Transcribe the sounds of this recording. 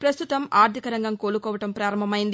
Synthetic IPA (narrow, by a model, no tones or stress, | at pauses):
pɾɐst̪ut̪ɐmʔaːɾt̪ʰikɐɾɐŋɡɐŋkoːlukɔːʋɐʈɐmpɾaːɾɐmbʱɐmɐjind̪i